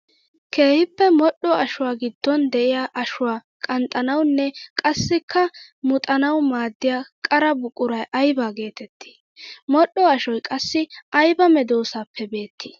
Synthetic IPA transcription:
kʰe̞ːhɪpːɛmɔɗːɔɐʃʊwaːɡɪd̪̥ːɔnd̪ɛʔɪjaːʔɐʃʊwaː | kʼɐnt̪ʼːɐnɐwnːɛkʼɐsːɪkʰːɐmʊt̪ʼɐnɐwmaːd̪ːɪjaːkʼɐɾɐbʊkʼːʊɾɐjʔɐjbaːɡe̞ːt̪ɛt̪ʰːi̥ | mɔɗːɔɐʃɔjkʼɐsːɪʔɐjbɐmɛd̪o̞ːsaːpʰːɛbe̞ːt̪ʰːɪ̥

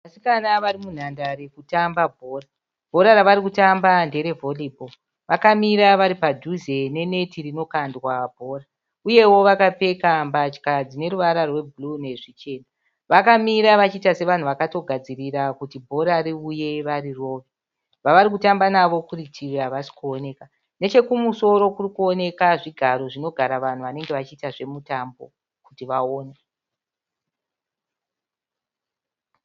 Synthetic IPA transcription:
ʋasikanaʋaɾimun̤andaɾekutambabʱo̞ːra | bʱo̞ɾaɾaʋaɾikutambande̞ɾe̞vo̞libo | ʋakamiɾaʋaɾipad͡ʒʱuze̞ne̞ne̞tirino̞kandwabʱo̞ːra | uje̞wo̞ʋakape̞kambat͡ʃkad͡zine̞ɾuʋaɾarwe̞bʱulune̞ʐit͡ʃe̞ːna | ʋakamiɾaʋat͡ʃitase̞ʋan̤uʋakato̞ɡʱad͡ziriɾakutibʱo̞ɾaɾiuje̞ʋariro̞ːʋe | ʋaʋaɾikutambanaʋo̞kuritʰiraʋasi̥kuo̞ne̞ka | ne̞t͡ʃe̞kumuso̞ɾo̞kurikuo̞ne̞kaʐiɡʱaɾo̞ʐino̞ɡʱaɾaʋan̤uʋane̞ŋɡe̞ʋat͡ʃiːtaʐe̞mutambo̞̰ | kutiʋaoːne

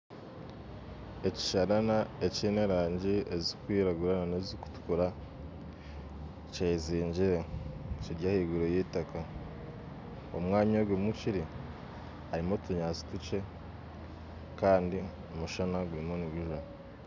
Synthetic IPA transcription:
e̞ci̥ʃaɾanaecineɾaːɲɟiezikwiːɾaɡuɾananeziku̥tu̥kuɾa | ceziːɲɟiɾeciɾɟahiːɡuɾojeːtaka | omwaːɲoɡwemuciɾi | haɾimo̞tuɲaːt͡si̥tut͡ʃe̞ | kaːndi | omuʃanaɡuɾimo̞niβiʒuna

